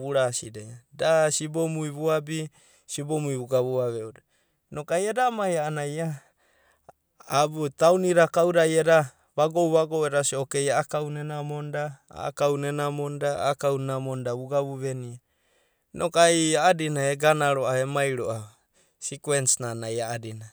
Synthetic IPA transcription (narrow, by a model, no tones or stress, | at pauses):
βuɾasidedasibomuiβuabi | sibomuiβuɡaβuaβeoda | nokajedamajaːnaja | butawniɾakawɾajeɾa | βaɡowβaɡoweɾasiokejaakawnenamondaa̰ːkawnenamondaa̰ːkawnenamondaβuɡaβuβenia | nʔokajaadinaeɡanaɾoaemajɾoʔa | sikwensnanajaadina